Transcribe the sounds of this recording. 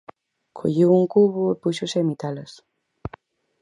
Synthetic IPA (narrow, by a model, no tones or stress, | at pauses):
kʰo̰ʎiwuŋkuβʊepuʃʊsemit̪alɐs